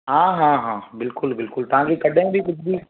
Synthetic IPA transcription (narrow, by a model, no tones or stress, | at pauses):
ɦãːɦãːɦãːbɪlkʊlbɪlkʊlt̪ɐɦãkikɐɖʱẽbʱikʊt͡ʃʰbʱiː